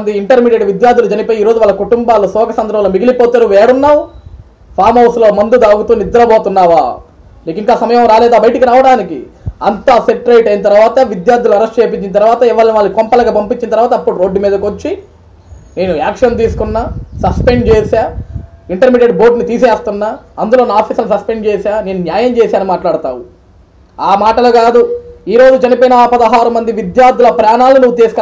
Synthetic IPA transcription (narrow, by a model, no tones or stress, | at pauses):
nd̪iiɳʈɐɾmiːɖeɖʋid̪jaːɾd̪ʱulud͡ʒɐnipoːjiːɾo̞ːd͡ʒuʋaːlːɐkuʈumbaːlusɔːkɐsɐnd̪ɾɐʋloːmiɡilipoːt̪eɾuʋɛːɽunːaːw | pʰaːɾmɐwslo̞ːmɐnd̪ud̪aːɡut̪uːnid̪ɐɾɐboːt̪unːaːʋaː | miːkiŋkaːsɐmɐjɐmɾaːlɛːd̪aːbɐjʈikiɾaːʋɐɽaːnikḭɐnt̪aːseʈɾejʈɐjinɐt̪̬ɐɾuʋaːt̪ɐʋid̪jaːɾd̪ʱuluɐɾɐsʈt͡ʃeːp̬it͡ʃːinit̪̬ɐɾuʋaːt̪ɐiʋaːlɐniʋaːɭːɐkkɔmpɐlɐɡaːpɐmpit͡ʃːinit̪ɐɾʋaːt̪ɐɐpːuɽuɾo̞ːɖːumiːd̪ɐkot͡ʃːi | ne̞ːnuaːkʂɐnt̪̬iːsu̥kunːaːsɐspeɳɖt͡ʃeːsaːiɳʈɐɾmiːʈeɖbo̞ːɾʈnit̪iːseːst̪unːaːɐnd̪ulo̞ːnaaːpʰiːsɐlnisɐspeɳɖt͡ʃɛːsaːne̞ːnunjaːjɐmt͡ʃɛːsaːnimaːʈlaːɽut̪a̰ːwu | aːmaːʈɐlukaːd̪uiːɾo̞ːd͡ʒut͡ʃɐnipɐjinɐpɐd̪ɐɦaːɾumɐnd̪iʋid̪jaːɾd̪ʱulɐpɾaːnaːlninuʋːut̪iːsk